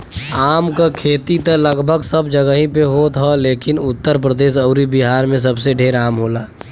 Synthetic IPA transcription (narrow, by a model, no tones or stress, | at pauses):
aːmkakʰeːt̪it̪ələɡbʱəɡsəbd͡ʒəɡəɦĩpeɦoːt̪ɦɔleːkɪnʊt̪ːəɾp̬ɾəd̪eːʃ̬ɐʊɾibiɦaːɾmẽs̬ɐbseɖʱeːɾaːmɦoːlaː